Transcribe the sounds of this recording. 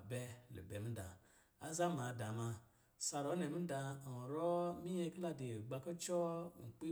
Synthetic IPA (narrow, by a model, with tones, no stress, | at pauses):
bɛ˦lḛ˨be˨m̩˦da˨ | a˦za˦ma˨da˨ma˧ | sa˨ɾo˨˦ne˨mi˦da˧˨ɾo˦mi˦je˦kla˦di˨ɡ͡ba˧ko˦t͡ʃɔ˦˨ŋ̩˨k͡pi˦